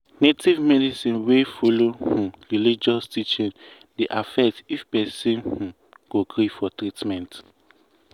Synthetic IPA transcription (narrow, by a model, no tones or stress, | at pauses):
netivmɛdisĩnwefolohũɹilid͡ʒɔstit͡ʃĩn | deʔafɛk̚tifpɛsĩnhũ | ɡ̥oɡɾifɔtɾitmɛ̃nt